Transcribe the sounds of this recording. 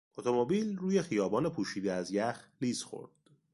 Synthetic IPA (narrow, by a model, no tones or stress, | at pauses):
ʔot̪ʰo̞mobiːlruːje̞xijɒːbɒːne̞pʰuːʃiːd̪eæzjæxliːsxo̞̰ɾd̪̥